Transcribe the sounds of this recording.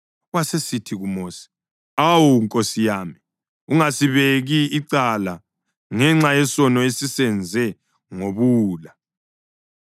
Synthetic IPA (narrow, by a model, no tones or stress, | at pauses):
wasesitʰiɣumoːsi̥ | awuŋkʼosijaːmi | uŋasiβeɣiːǀala | ŋɛŋ͡ǁajɛsɔnɔesisɛnd͡zʱɛ | ŋoβuːla